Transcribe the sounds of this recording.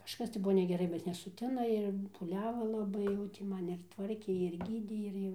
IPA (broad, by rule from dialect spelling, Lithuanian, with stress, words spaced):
kɐʃˈkɐs tɐɪ ˈbʊʋoː nʲɛɡʲɛˈrɐɪ bʲɛt nʲɛsʊˈtʲɪnɐ ɪr puːˈlʲæːʋɐ lˠɐˈbɐɪ jɛʊ tʲɪ ˈmɐn ɪr ˈtʋɐrʲkʲeː ɪr ˈɡʲiːdʲeː ɪr ˈjɛʊ